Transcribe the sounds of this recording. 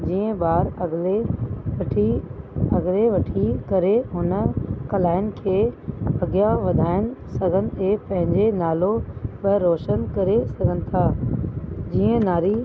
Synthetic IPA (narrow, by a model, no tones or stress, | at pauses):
d͡ʑiːə̃ɓaːɾɐɡle | ʈʰiɐɡleʋɐʈʰikɐɾeɦʊnkɐlaːɪnɪ̆kʰeːɐɡjaʋɐd̪ʱaːɪnɪ̆sɐɡʱənɪ̆eːpɐ̃ɦɪ̃ɲd͡ʑenaːloɓəɾoːʃənkɐɾesɐɡʱənɪ̆t̪ʰaː | d͡ʑiːə̃naːɾi